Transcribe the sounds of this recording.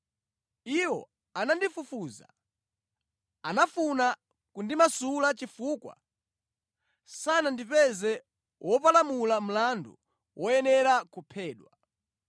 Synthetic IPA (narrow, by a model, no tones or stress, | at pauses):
iwɔ̰ | anandifufuːza̰ | anafuna | kundimasulat͡ʃifuːkwa̰ | sanandipɛzɛ | wʔɔpalamulam̩landṵ | wʔɔjɛnɛɾakupʰɛːɗwa